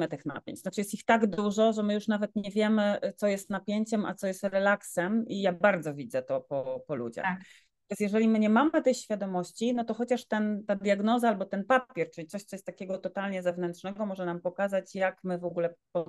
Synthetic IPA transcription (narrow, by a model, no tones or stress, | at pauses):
ɘt̪ɘxna̰pʲjḛɲt͡ɕnat͡ʂɨjɛst̪ixt̪aɡd̪uʐɔʐɛmɘjuʂnavɛt̪ɲɛvʲjɛmɘt̪ɔjɛst̪napʲjeɲt͡ɕɛmʔa̰t̪sɔjɛst̪ɾɛlaksɛmijabaɾd̪zɔvʲid̪zɛt̪ɔpɔpɔlṵd͡ʑa̰x | jasjɛʐɛlʲimɘɲɛmamɘt̪ɛxɕfʲjad̪ɔmɔɕt͡ɕinɔt̪ɔxɔt͡ɕaʂt̪ɛnt̪ad̪ʲjaɡnɔzaalbɔt̪ɛnpapʲjɛɾt͡ʂɘlʲit̪sɔɕt̪sɔjɛst̪t̪akʲɛɡɔt̪ɔt̪alɲɛzɛvnɛntʂnɛɡɔmɔʐɛnampɔkazat͡ɕjakmɘvɔɡulɛpɔ